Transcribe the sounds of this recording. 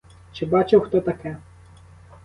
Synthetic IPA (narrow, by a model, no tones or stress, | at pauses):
t͡ʃɪbɑt͡ʃɪwxt̪ɔt̪ɐkɛ